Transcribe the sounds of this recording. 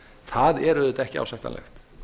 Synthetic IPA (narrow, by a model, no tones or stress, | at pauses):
θaðɛɾʏðʏt̪aɛhcɪa̰wsaht̪a̰lʔɛ̰xt̪